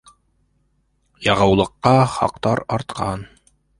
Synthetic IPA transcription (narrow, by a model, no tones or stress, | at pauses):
jɑʁɑwlˠɤ̆qːɑχɑ̰qt̪ɑɾɑɾt̪qɑn